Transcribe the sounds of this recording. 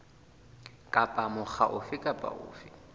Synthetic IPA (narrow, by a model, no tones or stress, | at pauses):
kʼapʼamʊχʰa̰ʔʊfɪkʼapʼa̰ʔʊ̰ːfɪ